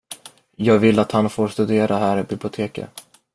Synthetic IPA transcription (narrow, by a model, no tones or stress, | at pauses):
jɑːɡvɪlːat̪hanfoːɾst̪ɵd̪eːɾʔaɦæːɾɪbɪblɪʊt̪ʰeːkə̰